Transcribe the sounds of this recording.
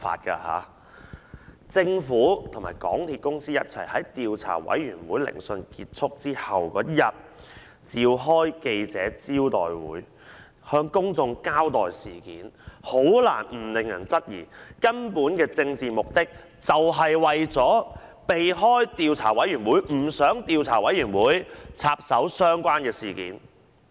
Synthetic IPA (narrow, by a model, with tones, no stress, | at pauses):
fa̰ː˧t̚ka̰ː˧ha̰ː˨˧˦ | t͡sɪ˧ŋfuː˨˥t̪ʰŋmaː˨˩jkɔ̰ː˨˥ŋt̪ʰiː˧t̚kʊ˥ŋsiː˥jɐ˥t̚t͡sʰɐ̰˨˩jhɐ˨˥jt̪iː˨˧wt͡sʰa̰ː˨˩wɐ̰˨˥jɥyː˨˩nwuː˨˥jlɪ̰˨˩ŋsɵ˧nkiː˧t̚t͡sʰʊ˥k̚t͡siː˥hɐ˨wkɔ̰ː˨˦jɐ˨t̚ | t͡siː˧wɦɔː˥jke˧jt͡sɛː˨˥t͡siː˥wt̪ɔ̰ː˨jwṵː˨˥j | hœː˧ŋkʊ˥ŋt͡sʊ˧ŋkaː˥wt̪ɔː˨jsiː˨˩kiː˨˥nho˨˥wla̰ː˨˩nm̩˨˩lɪ˨ŋjɐ˨˩nt͡sɐ˥t̚jḭː˨˩kɐ˥npuː˨˥nkɛː˧t͡sɪ˧ŋt͡siː˨mʊ˨k̚t̪ɪ˥k̚ | t͡sɐ˨wɦɐ˨jwɐ˨jt͡sɔː˨˥pe˨jɦɔː˥jt̪iː˧wt͡sʰa̰ː˨˩wɐ˨˥jɥyː˨˩nwuː˨˥jm̩˨˩sœː˨˥ŋt̪iː˧wt͡sʰaː˨˩wɐ˨˥jɥyː˨˩nwuː˨˥jt͡sʰaː˧p̚sɐ˨˥wsœː˥ŋkʷwaː˥nkɛː˧siː˨˩kḭː˨˥n